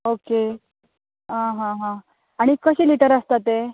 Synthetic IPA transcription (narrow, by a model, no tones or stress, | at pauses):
oke | ɦãɦãɦã | aɽ̃ikəɕiːliʈəɾəst̪at̪e